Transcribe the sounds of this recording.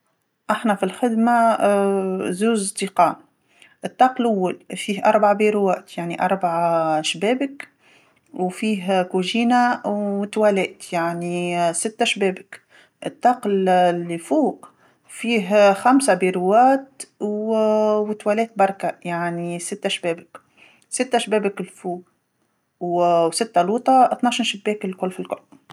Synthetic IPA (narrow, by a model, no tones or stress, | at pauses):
ʔaħnæfilxɪd̪ma | zuːzst̪iqɑːn | ʔɪt̪ˤːɑːqlʔawːalfiːɦʔɑɾˤbaʕabiɾuaːt̪jaʕniʔɑɾˤbaʕaʃbɛːbək | wfiːɦkuʒiːnawɪt̪wæːlɛːt̪jaʕnisɪt̪ːæʃbɛːbək | ʔɪt̪ˤːɑːqllːifuːq | fiːɦxamsabiɾuwaːt̪wwɪt̪walɛːt̪̚bɑɾˤkajaʕnisɪt̪ːaʃbeːbɪk | sɪt̪ːaʃbeːbɪklfuː | wwsɪt̪ːaluːt̪ˤɑʔt̪nɑʃiːnʃɪbːɛːkɪlkʊlːfilkʊl